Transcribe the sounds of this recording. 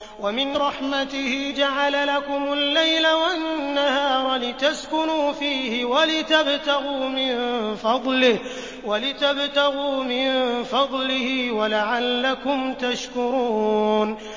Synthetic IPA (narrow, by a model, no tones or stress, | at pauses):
wamɪnɾˤɑħmat̪ɪhɪd͡ʒaʕalalakʊmʊlːajlawannːahɑːɾˤlɪt̪askʊnuːfiːhɪwalɪt̪abt̪aɣuːmɪnfɑd̪ˤlɪh | walɪt̪abt̪aɣuːmɪnfɑd̪ˤlɪhɪwalaʕalːakʊmt̪aʃkʊɾuːn